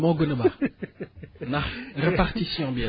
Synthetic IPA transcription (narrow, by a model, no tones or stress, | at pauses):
mɔ̃ɡonəba | naʁʁəpaʁt̪isĩɑ̃bjɛ̃